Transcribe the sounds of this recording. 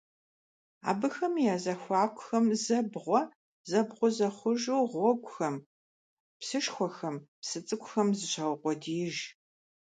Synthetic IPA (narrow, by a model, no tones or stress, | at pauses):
a̰ːbɨxɐmjaːzɐxʷɑːkʷʊxɐmzɐbʁʷɔ | zɐbʁʷʊzɐχʷʊʒuːʁʷɔkʷʼʊxɐm | psɨʃxʷɔxɐmpsɨt͡sʼɨkʷʼʊxɐmzɨɕʰɐwqʷʼɔdiːʒ